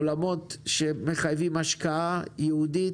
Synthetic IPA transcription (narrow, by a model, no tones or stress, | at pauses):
lamo̞t̪ʃeme̞χajvimaʃkaajeudi